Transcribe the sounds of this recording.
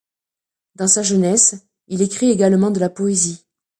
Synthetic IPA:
d̪ɑ̃saʒənɛs | ilekχieɡalmɑ̃d̪əlapɔezi

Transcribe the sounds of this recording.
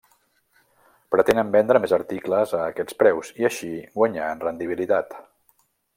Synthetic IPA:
pɾət̪enəmbɛnd̪ɾəmezəɾt̪ikləzəːkɛt͡spɾɛwziəʃiɡwəɲaənrənd̪iβilit̪at̪

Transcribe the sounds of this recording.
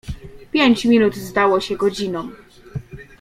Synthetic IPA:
pʲjeɲt͡ɕmʲinud̪zd̪awɔɕɛɡɔd͡ʑinɔ̃w

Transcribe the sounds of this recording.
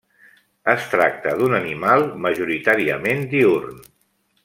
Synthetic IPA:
əst̪ɾak̚t̪əðunənimalˠməʒuɾit̪aɾiəmend̪iurn

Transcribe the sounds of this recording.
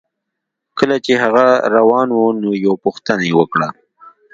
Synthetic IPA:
kəlat͡ʃeɦaɣaɾawɑnwonojawpuxt̪ənajewəkɽa

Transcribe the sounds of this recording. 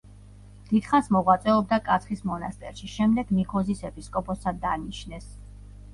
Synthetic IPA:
d̪̥id̪̥χansmɔʁwat̪sʼɛɔb̚d̪akʼat̪sʰχismɔnast̪ʼɛ̰ɾʃiʃɛmd̪ɛɡnikʰɔzisɛpʰiskʼɔpʼɔsad̪aniʃnɛs

